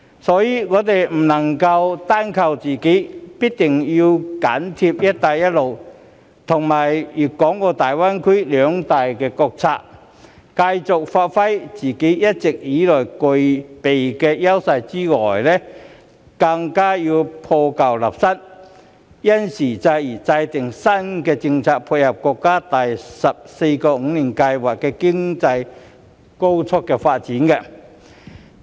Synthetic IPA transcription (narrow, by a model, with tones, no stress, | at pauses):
sɔː˨˥jiː˨˧ŋɔː˨˧t̪̬e˨jm̩˨˩nɐ˨˩ŋkɐ˧wt̪aː˥nkʰɐ˧wt͡siː˨˩ke˨˥jpiː˥k̚t̪ɪ˨˩ŋjiː˧wkaː˨˥nt̪ʰi˧p̚jɐ˥t̚t̪aː˨˧jjɐ˥t̚lo˨w | t̪ʰʊ˨˩ŋmaː˨˩jjyː˨˩kɔː˨˥ŋkɔː˧t̪aː˨jwaː˥nkʰi˥lœː˨˧ŋt̪aː˨jkɛː˧kɔː˧k̚t͡sʰa̰ː˧k̚ | kɐ˧jt͡sʊ˨k̚faː˧t̚fɐ˥jt͡siː˨˩ke˨˥jjɐ˥t̚t͡sɪ˨k̚jiː˨˥lɔː˨˩jkɵ˨jpe˨jkɛ˧jɐ˥wsa˧jt͡si˥ŋɔː˨˩jlɛ˦˥ | kɐ˧ŋkaː˥ji˧wpʰɔː˧ka˨˩wla̰˨˩p̚sɐ˥t̚ | jɐ˥nsiː˨˩t͡sa˧ji˨˩t͡sɐ˧jt̪ɪ˨˩ŋsɐ˥nkɛ˧t͡sɪ˧ŋt͡sʰaː˧k̚pʰu˧t̚hɐ˨˩p̚kɔː˧kːaː˥t̪ɐ˨jsɐ˨p̚se˧jkɔː˧ŋ̩˧˥˦ni˨˩nkɐ˧jwaː˨˩k̚kːɛ˧kɪ˥ŋt͡sa˧j | ko˥wt͡sʰʊ˥k̚ːɛː˧faː˧t̚t͡si˨˦nkɛ˧